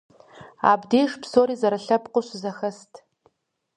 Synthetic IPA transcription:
a̰ːbdeːʂpsoːɾiːzɐɾɨɬɐpqʷʊɕɪzɐxɐstʰ

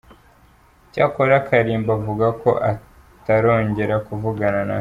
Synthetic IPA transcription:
caːkoɾakʰaɾiːmbavuɡako̞ʔa | taɾo̞ːɲɟe̞ɾakuvuɡanana̰

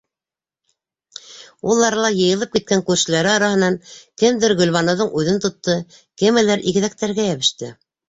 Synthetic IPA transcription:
ulˠːɑɾɑlˠɑjɤ̆jɤ̆lˠɤp̚kit̪̚kæŋkʉɾʃɘ̆læɾɘɑɾɑhɤ̆nɑŋkɘmd̪ɘɾɡɵ̆lβɑnɤ̆ðɤɴʉðɘnt̪ŏt̪ːɤ | kɘ̆mɘ̆læɾʔiɣɘ̆ðæk̚t̪æɾɡæjæβɘ̆ʃt̪ɘ

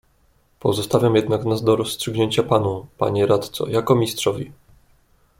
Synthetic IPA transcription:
pɔzɔst̪avʲamjɛd̪naknazd̪ɔɾɔsːtʂɘɡɲeɲt͡ɕapanupa̰ɲɛɾat̪t̪sɔ̰jakɔmʲistʂɔvʲḭ

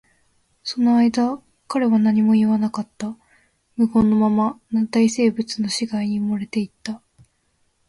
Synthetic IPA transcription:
so̞no̞aid̪a | kaɾe̞βanaɲ̟imo̞iβanakat̪ːa | mɯ̟ɡõ̞nːo̞mamanat̪aise̞ːbɯ̟t͡sɨno̞ɕiɡaiɲ̟iɯmoɾe̞t̪e̞it̪ːa

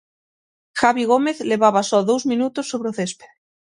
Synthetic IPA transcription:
xaβiɣ̞ome̞θle̞βaβasolðowzmĩnut̪osːoβɾeoθespe

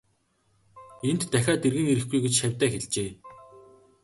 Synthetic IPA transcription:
en̥t̪ːæxʲaːt̪erɣɘ̆ŋeɾɘ̆xɡujɡet͡ɕʃæwʲt̪æːxeɮt͡ɕeː

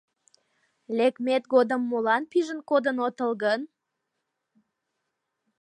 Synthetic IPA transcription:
lekmet̪ɡod̪əmːolɑnpiʒənkod̪ənot̪əlɣən

